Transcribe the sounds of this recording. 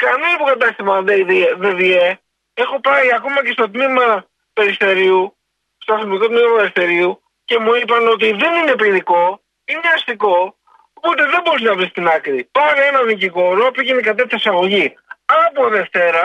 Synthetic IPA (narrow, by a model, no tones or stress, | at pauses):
kɐnispukɐt̪ɐst̪imɐnðeðieðeðie | e̞xo̞pɐiɐko̞mɐce̞st̪o̞t̪̬mimɐ | pe̞ɾife̞ɾiu | st̪oɐθimiko̞t̪mimɐpe̞ɾifθe̞ɾiu | ce̞muipɐno̞t̪̬iðe̞nine̞piniko̞ | ineɐst̪iko̞ | opot̪e̞ðembo̞ɾiz̬nɐvɾist̪inɐkɾipɐɾe̞nɐniciko̞ɾopiʝenikɐt̪ɐt̪çɐsɐɣo̞ʝi | ɐpoðe̞ft̪e̞ɾɐ